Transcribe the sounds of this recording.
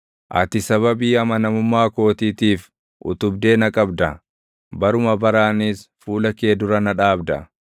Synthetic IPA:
ʔɐ̰t̪ɪsɐβɐbiːɐmɐnɐmʊmːaːko̞ːt̪iːt̪iːf | ʔʊ̰t̪ʊbd̪e̞ːnɐkʼɐbd̪ɐ | bɐɾʊmɐbɐɾaːniːsfuːlɐke̞ːd̪ʊɾɐnɐᶑaːbd̪ɐ̰

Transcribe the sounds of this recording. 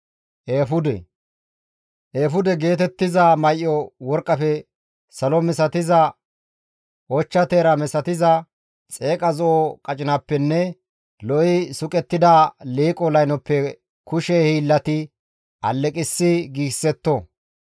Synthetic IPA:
ʔeːfʊd̪ɛ̰ | ʔeːfʊd̪ɛɡe̞ːt̪ɛt̪ːɪzɐmɐjʔːɔwɔɾkʼːɐfɛ | sɐlɔmɛsɐt̪ɪzɐ | ʔɔt͡ʃːɐt̪eːɾɐmɛsɐt̪ɪzɐ | t͡sʼe̞ːkʼɐzɔʔɔkʼɐt͡ʃʼɪnɐpːɛnːɛ | lɔɪsʊkʼɛt̪ːɪd̪ɐliːkʼɔlɐjnɔpːɛ | kʊʃɛhiːlːɐt̪ɪ | ʔɐ̰lːɛkʼɪsːɪɡiːsːɛt̪ːɔ

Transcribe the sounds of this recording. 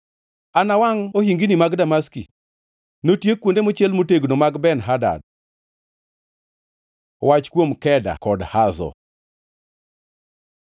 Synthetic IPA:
anawaŋoɦiŋɡinimaɡdamaskḭ | notjekwondemot͡ʃjɛlmoteɡnomaɡbɛnɦada̰d̚ | wat͡ʃkwomkɛda̰kɔdhazɔ̰

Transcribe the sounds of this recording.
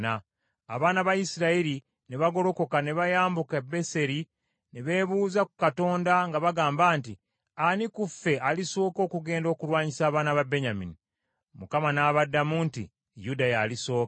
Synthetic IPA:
na̰ː | βaːnaβajisiɾaeɾi | neβaɡo̞lo̞ko̞kaneβajaːmbukebe̞se̞ɾi | neβe̞ːβuːzakukato̞ːndaŋɡaβaɡaːmbaːnti | anikufːe̞aliso̞ːko̞ːkuɡe̞ːndo̞ːkulwaːɲisaːβaːnaβabe̞ɲamḭni | mukamanaβadːamuːntḭ | judajaliso̞ːk

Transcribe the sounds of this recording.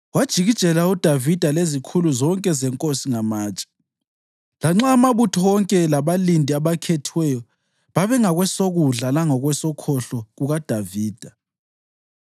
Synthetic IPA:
wad̥ʒ̥ʱiɣid̥ʒ̥ʱɛlaud̥ʱavid̥ʱalezikʰuluzɔŋkʼɛzɛŋkʼosiŋamaːt͡ʃʼḁ | laŋ͡ǁaːmaβutʰɔwɔŋkʼɛlaβalindʱiaβakʰetʰiwɛjɔ | βaβɛŋaɣwɛsoɣuɮalaŋɔɣwɛsɔkʰɔɬɔɣuɣad̥ʱaviːd̥ʱa

